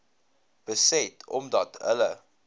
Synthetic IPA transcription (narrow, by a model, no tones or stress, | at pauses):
b̥əsɛtʰɔmdɐtə̰lə